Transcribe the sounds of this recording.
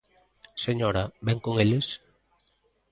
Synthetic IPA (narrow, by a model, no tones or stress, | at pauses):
seɲoɾabɛŋkoŋeles